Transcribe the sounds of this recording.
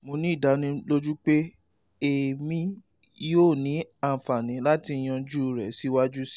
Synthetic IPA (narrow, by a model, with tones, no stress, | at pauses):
mo˧nĩ˦i˦˨da˨˦nũ˧lo˦d͡ʒu˦k͡pe˦ | e˨mĩ˦ | joː˦˨nĩ˨˦a˦˨fa˨nĩ˨˦la˦ti˧˦j̃ã˧d͡ʒu˦˨ɾɛ˨˦si˦wa˦d͡ʒu˦si̥˦